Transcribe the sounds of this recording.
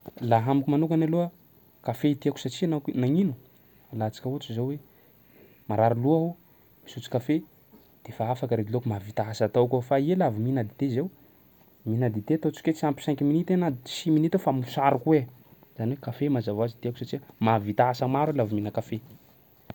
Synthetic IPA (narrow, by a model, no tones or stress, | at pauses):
laɦamukumanukanaloə | kafeit̪iaku̥sat͡ʃianaknaŋinu̥ | alat͡sḁkəut͡ʃizowe | maɾaɾiluaɦo | misut͡si̥kafe | d̪̥efaafakəɾed̪ilokumavit̪aɦasat̪owkofaielaviminad̪id̪ezew | minad̪id̪eat̪ot͡si̥ket͡siampi̥sɛŋkiminit̪enḁsiminit̪efamusaɾukuwe | z̥aniwekafemazavazit̪iaku̥sat͡ʃimavit̪aɦasəmaɾuelaviminəkafe